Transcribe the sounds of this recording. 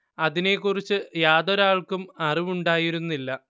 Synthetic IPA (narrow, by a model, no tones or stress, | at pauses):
ɐðine̞kːurit͡ɕːɨjaːðoɾaːɭkumɐriʋuɳɖaːjiɾunːilːɐ